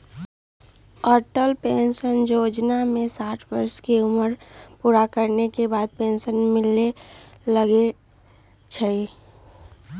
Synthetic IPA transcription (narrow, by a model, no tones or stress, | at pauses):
ɔːɾʈəlpeːnʃənjoːd͡ʒnamẽsaːʈʰbəɾskeʊməɾpuːɾakəɾnekebaːd̪̚pẽːnʃənmɪle | ləɡe | t͡ʃʰəi